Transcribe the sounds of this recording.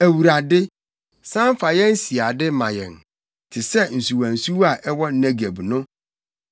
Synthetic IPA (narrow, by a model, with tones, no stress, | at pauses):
æ˨wu˨ɾa˨dɪ˦ | sã˦m˦fa˨jɛ̃˦n̩˦si˨a˨dɪ˦mã˨jɛ̰̃˨n | tʰɪ˨sɛ˦n̩˨su˨wã˨n̩˨su˦wa˨ʔɛ˦wɔ˦næ̃˦ɡe˨bnʊ̃˦